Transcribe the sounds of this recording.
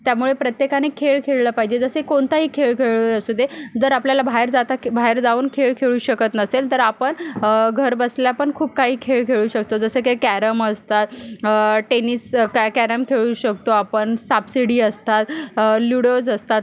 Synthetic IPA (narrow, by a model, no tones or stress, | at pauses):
t̪jamuɭepɾət̪jekanekʰeɭkʰeɭləpaɦid͡ʑed͡zəsəkoɳt̪aɦiːkʰeɭkʰeɭəɾasud̪ʱːed͡zəɾapljalabʱaɦeɾd͡zat̪abʱaɦeɾd͡zauːnkʰeɭkʰeɭuːɕəkət̪nəselt̪əɾapəɳɡʱəɾbəsljapəɳkʰuːb̚kaɦiːkʰeɭkʰeɭuːɕək̚t̪od͡zəsəːkakæɾəməst̪at̪ | ʈeniskkæɾəmkʰeɭuːɕək̚t̪oapəɳsabsiɽiːəst̪at̪luɽod͡zəst̪at̪̚